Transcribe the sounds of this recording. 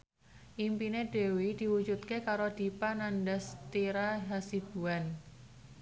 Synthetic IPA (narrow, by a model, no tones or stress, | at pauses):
ʔimpineɖ̥e̤wid̪̥i̤wu̥d͡ʒut̪̚kekaɾod̪̥i̤panandast̪iɾaɦasid̥ṳan